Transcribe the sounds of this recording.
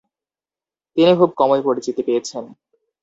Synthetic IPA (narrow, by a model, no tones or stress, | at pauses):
t̪inikʰub̚kɔmoepoɾit͡ɕit̪ipejet͡ɕʰen